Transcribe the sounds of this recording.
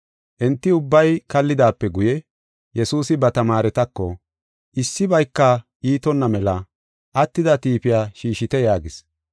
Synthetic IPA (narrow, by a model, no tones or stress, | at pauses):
ʔɛnt̪ːɪʊbːɐjkɐlːɪd̪aːpːɛɡʊjɛ | jɛsuːsɪbɐt̪ɐmaːɾɛt̪ɐkːɔ̰ | ʔɪsːɪbɐjkːɐ | iːt̪ɔnːɐmɛlɐ | ʔɐt̪ːɪd̪ɐt̪iːpɪjaːʃiːʃɪt̪ɛjaːɡɪs